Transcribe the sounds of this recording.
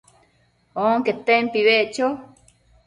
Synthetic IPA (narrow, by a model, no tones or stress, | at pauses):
oŋket̪ːempiβeʔt͡ʃo